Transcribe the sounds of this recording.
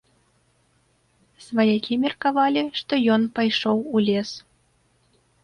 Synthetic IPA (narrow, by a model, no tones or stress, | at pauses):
svajakʲimʲɛrkavɑlʲiʂt̪ɔjɔnpajʂoɔwulʲes